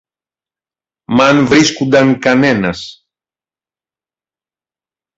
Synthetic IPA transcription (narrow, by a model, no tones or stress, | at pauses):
mɐnvɾiskund̪ɐŋkɐne̞nɐs